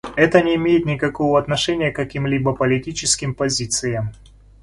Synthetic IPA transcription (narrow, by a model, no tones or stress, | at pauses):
ɛt̪ənʲɪːmʲejɪt̪nʲɪkɐkovəɐt̪nɐʂɛnʲɪjəkɐkʲimlʲibəpəlʲɪtʲit͡ɕɪskʲɪmpɐzʲit̪sɨjəm